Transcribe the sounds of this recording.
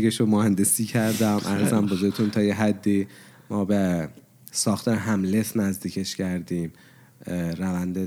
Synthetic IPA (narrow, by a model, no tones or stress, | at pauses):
ɡeʃomohænd̪e̞siːcʰæɾd̪æmʔæ̰ɾzæmbozoɾet̪ʰunt̪ʰɒːjeɦæd̪ːiː | mɒːbe | sɒːxt̪ʰɒːɾeɦæmle̞snæzd̪iːcʰe̞ʃcʰæɾd̪iːm | ɾævænd̪e